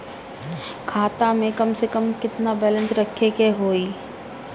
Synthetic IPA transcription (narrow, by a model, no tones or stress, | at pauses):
kʰaːt̪amẽkɐmsekəmkɪt̪nabɛːlə̃nsɾɐkʰːekeɦoːiː